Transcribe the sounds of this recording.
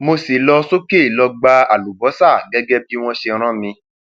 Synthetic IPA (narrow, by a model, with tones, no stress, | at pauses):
mo˧si˨lɔ˧so˦ke˦˨lɔ˧ɡ͡ba˧a˨lu˨bɔ˨˦sa˦˨ɡɛ˦ɡɛ˦bi˦w̃ɔ̃˦ʃe˧ɾ̃ã˦mĩ˧